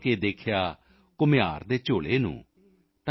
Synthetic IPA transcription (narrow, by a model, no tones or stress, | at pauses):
keːd̪eːkʰjaː | kʊmɪjaːɾd̪eːt͡ʃoːɭeːnṵ̃ː | t̪